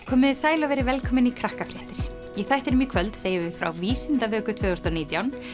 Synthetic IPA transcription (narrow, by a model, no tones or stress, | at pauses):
kʰɔːmɪðɪsaːjlavɛjɾɪvɛlkʰɔːmɪnikʰɾahkafɾɪht̪ɪɾ̥ | jɛɣθajht̪ɛɾɪmikʰvœlt̪seːjɪvɪfɾa̰wviːsɪnt̪avœːkʏt̪ʰvœːðɔst̪ʏaniːt̪jawn